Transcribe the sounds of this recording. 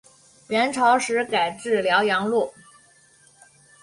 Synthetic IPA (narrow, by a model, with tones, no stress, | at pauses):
ɥɛ˧˥nʈ͡ʂʰɑ˧˥ʊʂɻ̩˧˥ka˨˩ɪʈ͡ʂɻ̩˥˩ljɑ˧˥ʊjɑ˧˥ŋlu˥˩